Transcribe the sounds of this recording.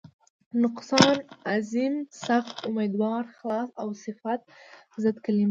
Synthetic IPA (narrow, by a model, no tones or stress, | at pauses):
nʊqsɑnazimsaxt̪ʊmed̪wɑɾxlɑsawsɪfat̪̚ | zəd̪kalim